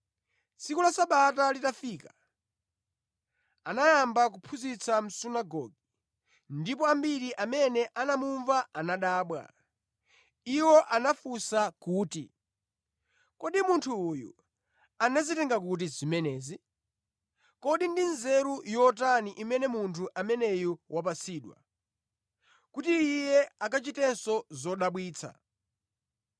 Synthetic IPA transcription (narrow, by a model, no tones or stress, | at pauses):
t͡sikulasaɓatalitafiːka | anajambak̬upʰuzit͡sʰam̩sunaɡɔ̰ːɡi | ndip̬ɔambiɾiʔamɛnɛʔanamuɱvaanaɗaːɓwa̰ | iwɔʔanafusakuːtḭ | kɔɗimuntʰuːjṵ | anazitɛŋɡakut̬izimɛnɛːzi | kɔɗindinzɛɾujɔtaniʔimɛnɛmuntʰuʔamɛnɛjuwʔap̬asiːɗwa̰ | kutiːjɛakat͡ʃitɛnsɔzɔɗaɓwiːt͡sʰa̰